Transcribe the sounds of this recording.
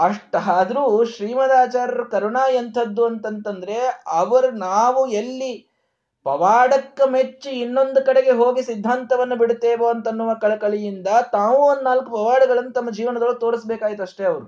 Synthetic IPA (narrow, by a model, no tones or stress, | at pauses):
ɐʂʈaaːd̪ɾuːʃɾiːmɐd̪aːt͡ʃaːɾɐɾɐkɐɾuɳaːjɐnt̪ʰɐd̪ːuɐnt̪ɐnt̪ɐnd̪ɐɾe̞ɐʋɐɾunaːʋuelːi | pɐʋaːɽɐkːɐmet͡ʃːuinːo̞nd̪ukɐɽeɡe̞ɦoːɡisid̪ʱːaːnt̪ɐʋɐnːubiɽt̪ːeːʋoːɐnt̪ɐnːuʋɐkɐɭɐkɐɭijind̪ɐt̪aːʋunnaːlkupɐʋaːɽuɡɐɭɐnːut̪ɐmːɐd͡ʒiːʋɐnɐd̪ɐɭːɐt̪o̞ːɽisbɛːkaːjit̪̬uɐʂʈe̞ːɐʋɐɾu